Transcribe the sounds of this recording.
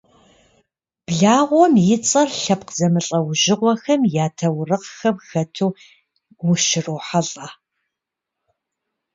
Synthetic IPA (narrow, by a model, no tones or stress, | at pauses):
b̥ɮaːʁʷɔmjɪt͡sʼɐrɬɐp̚qzɐmɨɬʼɐwʒɪʁʷɔxɐmjaːtʰɐwrɨqxɐmxɐtʰuː | wʊʃɪruːħɐɬʼa